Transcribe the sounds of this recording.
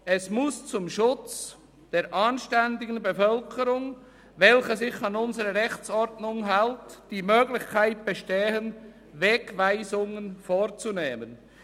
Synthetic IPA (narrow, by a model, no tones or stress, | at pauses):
ɛsmʊst͡sʊmʃʊt͡s | d̥eːɾʔaːnʃtɛndɪɡn̩befœlkʰəɾʊŋ | vɛlçəzɪçɑnʊnzəɾəʁɛxt͡sɔɾdnʊŋɦaltd̥iːmøːɡlɪçkʰaɪt̚b̥eʃteːɦən | vɛkvaɪzʊŋənfoːɾt͡suneːmən